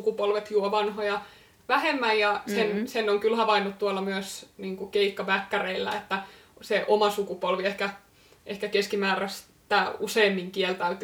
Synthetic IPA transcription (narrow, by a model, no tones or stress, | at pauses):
ukupolʋet̪juoʋɑnhojɑ | ʋæhemːæjjɑsensenːoŋkylhɑʋɑinːut̪t̪uolːɑmyøsniːŋkukeikːɑbækːæreilːæ̰et̪ːæ | seʔomɑsukupolʋiehkæ | ʔehkækeskimæːræs | t̪ːæːuseːmːiŋkielt̪æyt̪y